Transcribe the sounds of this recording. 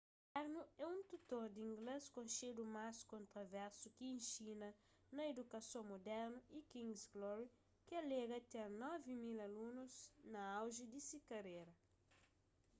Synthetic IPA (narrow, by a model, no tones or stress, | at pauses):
aɾnuɛũnt̪ut̪oɾd̪ĩŋɡleskõnʃed̪umaskõnt̪ɾɐvɛɾsukiẽnʃinɐ | nɐed̪ukɐsõmod̪ɛɾnuikĩŋsɡlɔɾi | kɪɐleɡɐt̪eɾnɔvimilɐlunuznɐawʒid̪isikɐɾeɾɐ